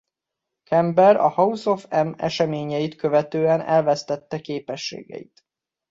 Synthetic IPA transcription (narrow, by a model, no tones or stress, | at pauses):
kʰɛmbɛɾɒ̰hɒuso̞fɛmɛ̰ʃɛmeːɲɛjit̪køvɛt̪øːɛnɛ̰lvɛst̪ɛt̪ːɛkeːpɛʃːḛːɡɛ̰jḭt̪